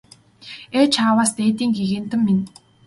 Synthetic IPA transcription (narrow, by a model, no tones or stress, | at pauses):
et͡ɕʰaːwaːst̪eːt̪iːŋɡeɣĕn̥t̪ɘ̆mːin